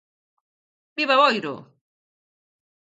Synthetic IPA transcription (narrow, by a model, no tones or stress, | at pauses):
biβaβɔjɾo̰